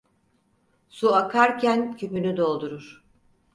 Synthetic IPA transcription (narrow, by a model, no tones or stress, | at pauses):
suakʰaɾcʰæncʰymynyd̪o̞lˠd̪uɾuɾ̥